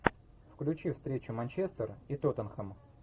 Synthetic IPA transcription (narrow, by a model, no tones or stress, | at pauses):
fklʲʉt͡ɕifst̪ɾʲet͡ɕʊmɐnʲt͡ɕest̪ərit̪ot̪ənxəm